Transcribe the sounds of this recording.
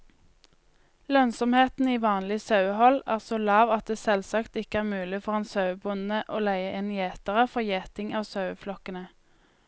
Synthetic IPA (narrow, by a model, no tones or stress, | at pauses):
lœnsɔmheːt̪n̩iːʋɑːnlɪsɑʉhɔlæːʁsoːlɑːʋɑt̪̚d̪eːsɛlsɑkt̪ɪkəæːʁmʉːlɪfɔʁeːnsɑʉbʊnəʔoːlæɪəʔɪnjeːt̪əʁəfɔʁjeːt̪ɪŋɑːʋsɑʉflɔkənə